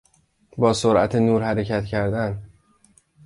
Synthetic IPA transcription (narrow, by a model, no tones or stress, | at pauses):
bɒːsoɾʔæ̰t̪ʰenuːɾhæɾecʰæt̪cʰæɾd̪æn